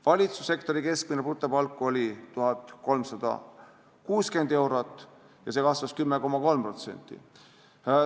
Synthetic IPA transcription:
vɑlʲit̪su̥sːe̞kt̪o̞ɾike̞sk̚mineput̪ːˑepɑlkːˑuo̞lʲit̪uɦɑt̪ːˑko̞lmsɑd̪̥ɑ̰ | kuːske̞nd̪̥e̞wɾot̪ːˑ | jɑsekɑsvɑskymːeko̞mɑko̞lmpro̞t̪se̞̰nʲt̪ːˑḭ

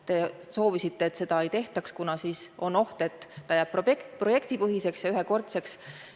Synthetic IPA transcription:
t̪e̞ | so̞ːvisit̪ːe̞ːt̪ːse̞d̪̥ɑejt̪e̞ht̪ɑkskunɑsiːso̞no̞ht̪e̞t̪ˑːɑjæːb̥̚pːokpro̞je̞kt̪ipɤɦise̞ksjɑyɦeko̞rt̪se̞ks

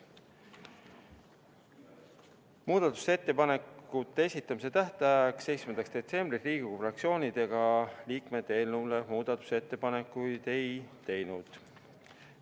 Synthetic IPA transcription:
muːd̪̥ɑt̪ːˑu̥se̞t̪ːe̞pɑne̞kut̪ːeesʲit̪ːˑɑmise̞t̪æht̪ɑækse̞j̪smend̪ɑkst̪d̪̥e̞t̪se̞mb̥risriːɡikufrɑk̪̚sio̞ːnʲid̪̥e̞ɡ̥ɑliːkmed̪e̞nule̞muːd̪̥ɑt̪ːˑu̥se̞t̪ːe̞pɑne̞kːˑujd̪̥e̞jt̪e̞jnud̪̥

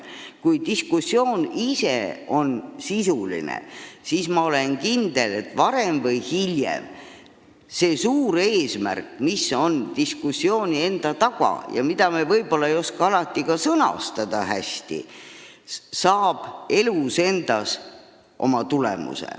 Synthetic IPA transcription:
kujt̪iskusːjo̞ːnise̞o̞nsisulḭnḛsismɑo̞le̞nkind̪̥e̞le̞t̪ːˑvɑɾe̞mvɤjhilʲjḛm | se̞ːsuːɾe̞ːsmæ̰rkːmisːo̞nt̪iskusːio̞ːnʲie̞nd̪̥ɑt̪ɑɡ̥ɑ̰jɑ̰mid̪̥ɑmevɤjbo̞lːɑejo̞skɑɑlɑt̪ːˑikɑsɤnɑ̰st̪ɑd̪̥ɑhæst̪ḭ | sɑːb̥e̞luse̞nd̪̥ɑs | ʔo̞mɑt̪ulḛmṵsḛ

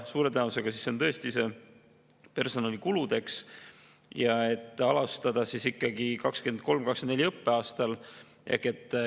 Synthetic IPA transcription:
suːɾe̞t̪enɑvuse̞ɡ̥ɑsiso̞nt̪ɤ̞e̞st̪ise̞ | pe̞rso̞nɑlikulud̪̥e̞ks | jɑe̞t̪ːˑɑlɑst̪ɑd̪̥ɑsisikˑːɑɡikɑkske̞nd̪̥̚ko̞lmkɑksenelʲiɤpːe̞ɑːst̪ɑl | ʔḛhkːˑe̞t̪ːˑ

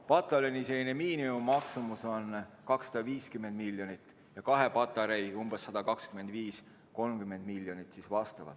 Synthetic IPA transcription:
pɑt̪ːˑɑleniselːinemiːnimumːɑksumuso̞n | kɑksːɑd̪̥ɑviːskymːe̞nd̪̚miljo̞nit̪ːˑ | jɑkɑɦe̞pɑt̪ːˑɑɾejumbesːɑd̪̥ɑkɑkskyme̞nd̪̥viːs | ko̞lmkymːe̞nd̪miljo̞nit̪ːˑsisvɑst̪ɑvɑ̰d̪̥

